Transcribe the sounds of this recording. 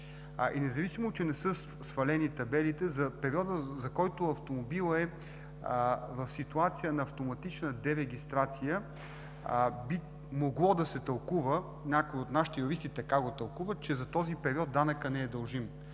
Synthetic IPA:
ʔɛnɛzɐvisimot͡ʃɛnɛsɤ | sfɐlɛnit̪ɐbɛlit̪ɛzɐpɛɾiɔd̪əzɐkɔjt̪oɐft̪omobilˠəɛ | vɐfsit̪uat̪sijənɐːft̪omɐt̪it͡ʃnəd̪ɛɾɛɡ̟ist̪ɾat̪sijə | bi | moɡlˠɔd̪ɐsɛt̪ɐlˠkuvə | nʲakoiot̪naʃi̥t̪ɛjoɾist̪it̪ɐkaɡot̪ɐlˠkuvət͡ʃɛzɐt̪ɔzipɛɾiɔt̪̚d̪anəkənɛːd̪ɐlˠʒim

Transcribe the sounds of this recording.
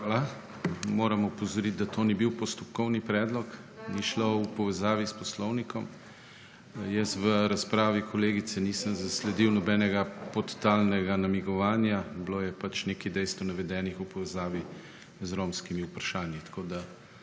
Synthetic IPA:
ala | moːɾɐmupɔzɔɾit̪̚d̪at̪ʰonibiwpɔst̪ɔpkɔwnipɾɛːd̪lɔk | niʃloupɔʋɛzaːʋispɔslɔwnikɔm | jɛst̪ʋəɾaspɾaːʋikɔleːɡisɛnisəmzɐslɛd̪iwnɔbɛnɛɡapɔt̪t̪alnɛɡanɐmiɡɔʋaːnjabloːjɛpat͡ʃnekid̪ɛjst̪ʋɔnɐʋɛd̪ɛːnixupɔʋɛzaːʋi | zɾomskimiupɾaʃaːnjit̪ḁkoːd̪a

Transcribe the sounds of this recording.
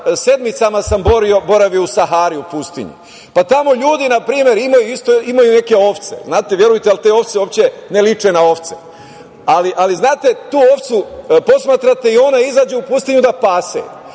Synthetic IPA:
se̞d̪mit̪samasamboɾio̞bo̞ɾaʋijousaɦaːɾiupust̪ḭɲṵ | pat̪amo̞ʎuːd̪inapɾiːmje̞ɾimajuist̪oimajune̞ke̞o̞ft̪se̞̰znaːt̪eʋje̞ɾujt̪ealt̪e̞o̞ft̪seoːpt͡ɕenelit͡ʃe̞nao̞ft̪sḛ | aliʔaliznaːt̪e̞t̪uːo̞ft̪supo̞smaːt̪ɾat̪e̞io̞naizad͡ʑuupust̪iɲud̪apaːsḛ

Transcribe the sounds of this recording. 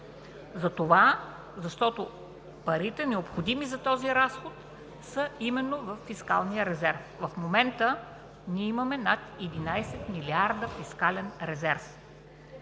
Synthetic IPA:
zɐt̪ova | zɐʃt̪ɔt̪o | pɐɾit̪ɛnɛopxod̪imizɐt̪ɔziɾasxot̪ | səimɛnːovəfːiska̰lˠnijəɾɛzɛɾfvɐfmomɛnt̪ə | nʲiɛimɐmɛnat̪ɛd̪inajsɛt̪miliaɾd̪əfiskalɛnɾɛzɛɾf

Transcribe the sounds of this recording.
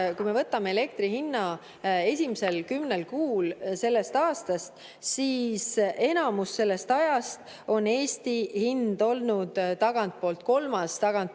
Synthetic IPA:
kujmevɤt̪ːˑɑmeele̞k̚t̪rihinːɑ | e̞sʲimise̞lkymnelkuːlse̞lːe̞st̪ɑːst̪ɑst̪ | siːse̞nɑmusːe̞lːe̞st̪ɑjɑst̪ | o̞ne̞ːsʲt̪ihind̪o̞lnud̪̥t̪ɑɡ̥ɑnt̪̚po̞ːlt̪̚ko̞lmɑst̪ɑɡ̥ɑnt̪̚

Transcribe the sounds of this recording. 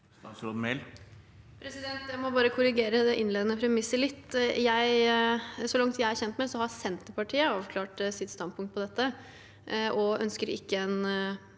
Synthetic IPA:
st̪ɑsɾod̪mɛɪl | pʰɾɛsɪd̪ɛnt̪jæɪmɔbɑːɾəkʰʊɾɪɡeːɾəd̪ɛʔɪnleːd̪ənəpʰɾɛmɪsːəɭɪt̪ːjæɪ | sɔlɑŋt̪jæɪæɾçɛnt̪mɛsɔhɑsɛnt̪əɾpɑʈʰiːəɑːʋkʰlɑːʈsɪt̪st̪ɑnd̪̚pʰʊŋkt̪̚pʰɔd̪ɛt̪ːə | ʔɔœnskəɾɪ̰kːəɛn

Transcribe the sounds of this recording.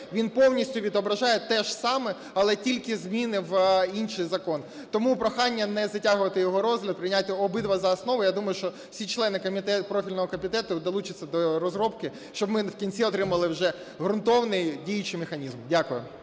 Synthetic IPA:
ʋʲinpɔwnʲisʲtʲʊʋʲid̪ɔbɾɐʒɑjɛt̪ɛʒ̥sɑmɛ | ɐlˠɛtʲilʲkɪzmʲinɪʋinʃɪjzɐkɔn | t̪ɔmupɾɔxɑnʲːɐnɛzɐtʲaɦʊʋɐt̪ɪjɔɦɔɾɔzɦlʲɐd̪̚pɾɪnʲatʲːɛɔbɪd̪ʋɐzɐːsnɔʋʊjad̪umɐjʊʃt͡ʃɔ | wsʲit͡ʃlˠɛnɪkɔmʲit̪ɛpɾɔfʲilʲnɔɦɔkɔmʲit̪ɛt̪ʊd̪ɔlˠut͡ʃɪt͡sʲːɐd̪ɔɾɔzɾɔpkɪ | ʃt͡ʃɔbmɪwkʲinʲt͡sʲiɔt̪ɾɪmɐlˠɪwʒɛ | ɦɾʊnt̪ɔʋnɪjdʲijɐt͡ʃɪjmexɐnʲizmdʲakʊjʊ̰

